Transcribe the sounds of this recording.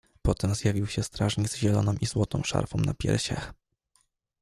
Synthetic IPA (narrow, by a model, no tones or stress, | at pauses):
pɔt̪ɛmzjavʲiwɕɛst̪ɾaʐɲiɡzʑɛlɔnɔ̃w̃ʔizwɔt̪ɔ̰̃w̃ʂa̰ɾfɔ̃wna̰pʲjɛ̰ɾɕa̰x